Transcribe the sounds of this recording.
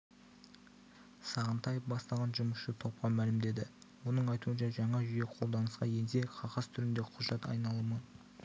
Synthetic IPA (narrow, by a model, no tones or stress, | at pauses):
sɑʁənt̪ʰɑjəfbɑst̪ɑʁɑnʒʊməsʃət̪ʰo̞p̚qɑmælɪmd̪e̞d̪ɪwo̞nəɴɑjt̪uənʃɑʒɑɴɑʒʏjeqʰo̞lˠd̪ɑnəsqɑje̞nseqʰɑʁɑst̪ʰʏɾɪnd̪e̞qʰʊʒɑt̪ɑ̰jnɑlˠəmən